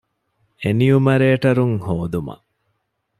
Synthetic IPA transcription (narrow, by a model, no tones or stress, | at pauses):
enijumɐɾeːʈɐɾuŋhoːd̪umɐ̰